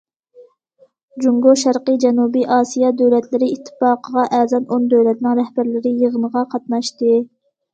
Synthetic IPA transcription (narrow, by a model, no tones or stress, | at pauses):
d͡ʒuŋɡoʃæɾqəd͡ʒɛnubiʔɑːsijɑd̪øwlɛt̪lɪɾɪit̪ʰːɨ̥fɑːqʰəʁɑʔɛːzɑnond̪øwlɛt̪nɪŋɾɛhbæɾlɪɾɪjəʁənəʁɑqʰɑt̪mɑʃt̪ɨ